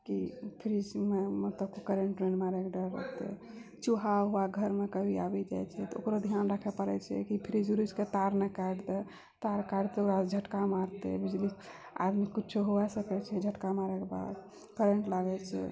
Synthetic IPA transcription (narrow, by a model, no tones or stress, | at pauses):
kipʰɾid͡ʒmemət̪ləbkokəɾeɳʈɾenmaɾɛkɖəɾɾə̰t̪ɛ̰ | t͡ʃuɦaɦoaɡʱəɾmekəbʱiabɛd͡ʒa̰jt͡ʃʰɛt̪ɔo̰kɾod̪ʱijanɾakʰɛpəɾɛ̰t͡ʃʰɛ̰kipʰɾid͡ʒɾud͡ʒket̪aɾnɛkaɖt̪ɛ | t̪aɾkaɖt̪eoɾad͡ʒʱəʈkamaɾt̪ḛbid͡ʒli | a̰d̪mikitːt͡ʃʰoɦoasəkɛt͡ʃʰɛd͡ʒʱəʈkamaɾɛkeba̰d̪ | peɾeɳʈlaɡɛt͡ʃʰɛ̰